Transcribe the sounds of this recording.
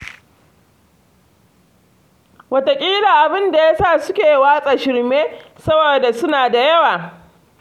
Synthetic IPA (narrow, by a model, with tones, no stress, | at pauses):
wɐ˨ta˨kʲʼiː˦la˨ʔa˨bɪ˦nda˨ja˦saː˦˨sʊ˦kʲeː˨waː˦sʼaː˨ʃɪ˦ɽmeː˦ | sɐ˦boː˨da˨sʊ˦naː˨da˨jɐ˦waː˨